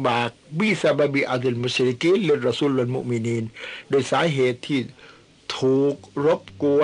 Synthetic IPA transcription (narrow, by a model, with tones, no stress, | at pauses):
baː˨˩k̚biː˧˩sa˧baː˧biː˧ʔa˧d̪e˧˨lmu˧sli˧ki˦˥le˧t̪̚ɾa˧suː˧˨lwa˧nmṵ˧ʔmi˧niː˧ndo˧˩˨jsaː˨˦˥ɦeː˨˩t̪ʰːiː˧˩ | t̪ʰuː˨˩k̚ɾo˦˥p̚ku˧ə